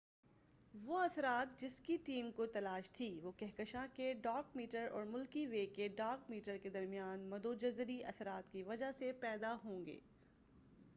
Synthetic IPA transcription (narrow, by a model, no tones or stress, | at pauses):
ʋoɐsɾaːt̪̚d͡ʒɪskiʈiːmkot̪ɐlaːʃt̪ʰiʋoːkɛɦkəʃãkeɖaːkmiːʈəɾɔ̰ːɾmʊlkiʋeːkeɖaːɾkmiːʈəɾked̪ɐɾmijaːnmɐd̪od͡ʒɐzɾiʔɐsɾaːt̪kiʋɐd͡ʒaɦsepɛːd̪aɦõːŋɡḛː